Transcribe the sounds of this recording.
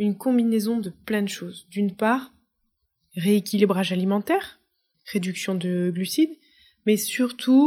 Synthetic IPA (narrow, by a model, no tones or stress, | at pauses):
ynkɔ̃binezɔ̃d̪əplɛ̃d̪əʃozd̪ynpaʁ | ʁeekʲilibʁaʒalimɑ̃t̪ɛʁ | ʁed̪yksjɔ̃d̪əɡlysid̪ | mɛsyʁt̪ʰu